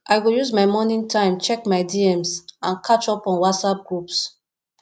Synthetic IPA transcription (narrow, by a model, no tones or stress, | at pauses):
ʔaɪɡojuzmaɪmɔnĩŋtʰãɪ̃mt͡ʃɛkmaɪdiɛmsãnkʰat͡ʃɔpɔ̃nwatsap̚ɡɹups